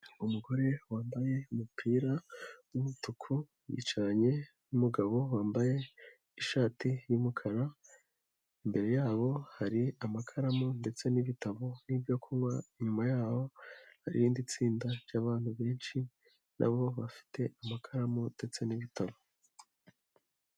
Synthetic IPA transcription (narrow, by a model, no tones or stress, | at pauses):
umuɡo̞ɾe̞waːmbaje̞umupʰiːɾaumutukʰu | jḭt͡ʃaɲe̞ | numuɡaβo̞waːmbaje̞ | iʃaːtijumukʰaɾa | imbe̞ɾe̞jaːβo̞haɾiamakʰaɾamonde̞t͡se̞niβitaβo̞nibɟo̞kʰuβaiɲumajaːho̞haɾḭɾiːndit͡siːndaɾɟaβaːn̥huβe̞ːnʃi | nʔa̰βo̞βafi̥tʰe̞amakʰaɾamonde̞t͡se̞niβitʰaβo